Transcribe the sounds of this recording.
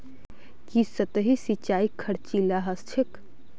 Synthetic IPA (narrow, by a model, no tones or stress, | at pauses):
kisət̪əɦisit͡ʃaikʰəɽt͡ʃilaɦəst͡ʃʰek